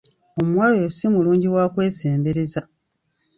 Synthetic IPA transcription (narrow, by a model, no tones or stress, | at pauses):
o̞muwaːlojosimuluːɲɟiwaːkwe̞ːse̞ːmbe̞ɾe̞za